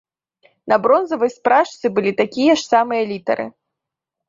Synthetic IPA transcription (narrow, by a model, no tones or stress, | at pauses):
nɐbɾɔnzɐvɐjspɾaʂt̪sɨbɨlʲit̪akʲijɐʂsamɨjɐlʲit̪ɐ̰ɾɨ̰